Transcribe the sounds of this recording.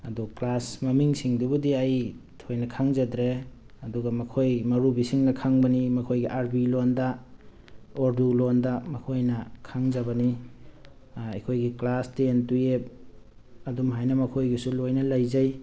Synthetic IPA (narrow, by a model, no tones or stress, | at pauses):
ɐduklasmɐmiŋsiŋdubudiajtʰojnɐkʰaŋzadɾe | ɐduɡamɐkʰojmɐɾubisiŋnɐkʰaŋbɐnimɐkʰojɡiʔaɾbilonda | oɾdulondamɐkʰojnɐkʰaŋzɐbɐni | ɐkʰojɡiklastentuep̚ | ɐdumɦajnɐmɐkʰojɡisulojnɐlajzaj